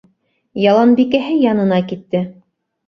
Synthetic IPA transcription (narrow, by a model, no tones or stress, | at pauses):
jɑlˠɑnbikæɦɘjɑnɤ̆nɑkit̪ːɘ